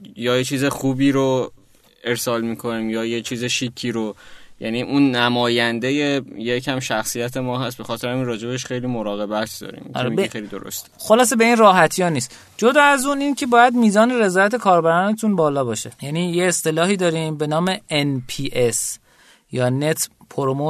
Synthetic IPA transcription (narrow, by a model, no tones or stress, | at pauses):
jɒːjet͡ʃʰiːzexuːbiːɾo | e̞ɾsɒːlmiːkʰo̞niːmjɒːjet͡ʃʰiːzeʃikʰːiːɾojæ̰niːʔunːæmɒːjænd̪e̞je̞jecʰæmʃæxsijæt̪ʰemɒːɦæst̪̚be̞xɒːt̪ʰeɾæmiːnrɒːd͡ʒe̞beʃxe̞jliːmoɾɒːɣe̞bæt̪ʰd̪ɒ̰ɾḭːmḭŋ̰ːɾemibxejlid̪o̞ɾo̰st̪e̥xolɒːse̞be̞iːnrɒːɦæt̪ʰijɒːniːst̪ | d͡ʒod̪ɒːæzuːniːncʰe̞bɒːjæd̪miːzɒːne̞ɾe̞zɒːjæt̪ʰe̞kʰɒːɾbæɾɒːnet̪ʰunbɒːlɒːbɒːʃejæniːjeːst̪e̞lɒːhiːd̪ɒːɾimbe̞nɒːmeenpʰiːʔes | jɒːne̞t̪ʰpʰoɾomo